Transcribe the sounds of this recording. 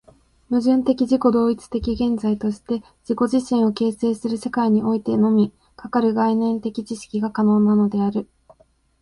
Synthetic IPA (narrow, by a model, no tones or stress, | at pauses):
mɯ̟ʑɨ̃nt̪e̞kʲiʑiko̞d̪o̞ːit͡sɨ̥t̪e̞kʲiɡẽ̞nd͡zait̪o̞ɕi̥t̪e̞ | d͡ʑ̥iko̞ʑiɕĩɰ̃o̞ke̞ːse̞ːsɨɾɯ̟se̞kaiɲ̟io̞it̪e̞no̞mʲi | kakaɾɯ̟ɡainẽ̞nt̪e̞kʲit͡ɕiɕi̥kʲiɡakano̞ːnano̞d̪e̞aɾɯ̟